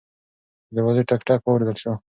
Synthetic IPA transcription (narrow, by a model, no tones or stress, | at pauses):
d̪əwaziʈakʈɑːkwawɾed̪əlʃo